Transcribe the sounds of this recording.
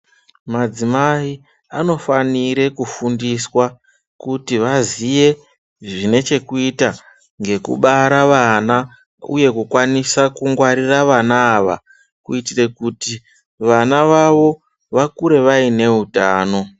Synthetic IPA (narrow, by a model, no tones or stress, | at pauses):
mad͡zimai | ano̞faniɾe̞kufundiswa | kutiʋazije̞ | ʐine̞t͡ʃe̞kuita | ŋɡe̞kṵɓaɾaʋana | ṵje̞kukwanisakuŋɡwaɾiraʋanaːʋa̰ | kuitire̞kuti | ʋanaʋaʋo̞ | ʋakuɾe̞ʋaine̞utaːno̞